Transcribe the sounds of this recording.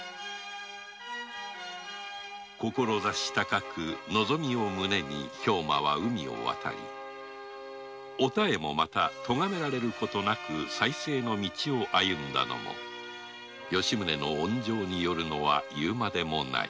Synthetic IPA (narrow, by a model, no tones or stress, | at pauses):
ko̞ko̞ɾo̞zaɕi̥t̪akakɯno̞zo̞mʲio̞mɯne̞mʲiço̞ːma̰β̞aɯ̟mʲio̞̰βa̰t̪ʰa̰ɾʲḭ | o̞t̪ae̞mo̞mat̪at̪o̞ŋame̞ɾaɾe̞ɾɯ̟ko̞t̪o̞nakɯ̟saise̞ːno̞mʲit͡ɕio̞ʔajɯ̟̃nd̪a̰no̞̰mo̞̰ | jo̞ɕimɯ̟ne̞no̞̰õɲd͡ʑo̞ːɲ̟ijo̞ɾɯ̟no̞β̞a̰jɯːmad̪e̞mo̞na̰ḭ